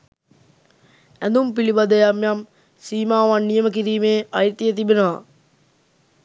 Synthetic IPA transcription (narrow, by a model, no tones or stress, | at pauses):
ænd̪umpilibɐd̪ɐjamjam | siːmaːʋanːijəmək̬iɾiːmeːɐjt̪ijət̪ibenəʋa̰